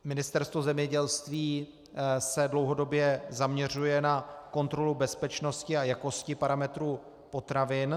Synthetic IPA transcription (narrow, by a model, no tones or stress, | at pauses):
mɪnɪst̪ɛɾst̪vozɛmɲɛɟɛlst̪viː | sɛdlo̞wɦo̞do̞bjɛzamɲɛr̝ujɛnako̞nt̪ɾo̞lubɛspɛt͡ʃno̞scɪajako̞scɪpaɾamɛt̪ɾuː | po̞t̪ɾavɪn